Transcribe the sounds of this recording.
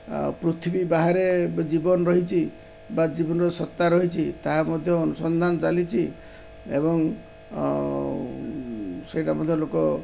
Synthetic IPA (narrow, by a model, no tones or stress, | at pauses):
pɾut̪ʰibibaɦaɾed͡ʒibɔnɔɾɔɦit͡ʃʰi | bad͡ʒibɔnɔɾɔsɔt̪ːaɾɔɦit͡ʃʰit̪aɦamɔd̪ʱjɔːnusɔnd̪ʱanɔt͡ʃalit͡ʃʰi | ḛbɔŋ | sejʈamɔd̪ʱjɔlokɔ